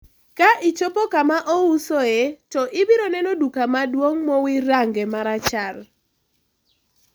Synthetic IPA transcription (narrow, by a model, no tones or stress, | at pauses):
kaʔɪt͡ʃopɔkamaʔɔusoɛtɔʔɪbɪɾonɛnodukamadwoŋmɔwiɾaŋɡɛmaɾat͡ʃar